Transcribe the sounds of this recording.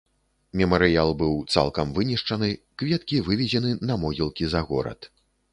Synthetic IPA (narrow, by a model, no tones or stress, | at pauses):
mʲɛmɐɾɨjalˠbɨwt̪sa̰lˠkɐmvɨnʲiʂt͡ʂɐnɨ | kvʲɛt̪kʲivɨvʲɛzʲɛnɨnɐmɔɣʲilˠkʲizɐɣɔ̰ɾɐ̰t̪